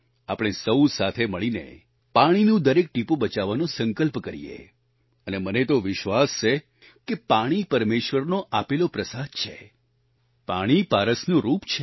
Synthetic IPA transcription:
apɽ̃esəwsat̪ʰeməɭinḛ | paɽ̃inũd̪əɾek̚ʈipũbət͡ʃaʋanũsə̃ŋkəlpkəɾḭjḛ | ənemənet̪oʋɪʃʋast͡ʃʰe | kepaɽ̃ipəɾmeʃʋəɾnoʔapelopɾəsad̪̚t͡ʃʰe | paɽ̃ipaɾəsnũɾupt͡ʃʰe

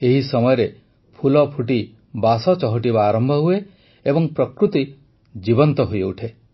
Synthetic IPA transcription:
eɦisɔmɔjɔɾe | pʰulɔpʰuʈi | basɔt͡ʃɔɦɔʈibaːɾɔmbʱɔɦue | ebɔŋpɾɔkɾut̪i | d͡ʒibɔnt̪ɔɦujuʈʰe

